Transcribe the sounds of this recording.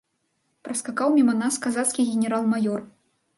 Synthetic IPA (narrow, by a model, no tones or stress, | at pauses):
pɾɐskakawmʲimɐnaskazat̪skʲiɣʲɛnʲɛɾalˠmajɔr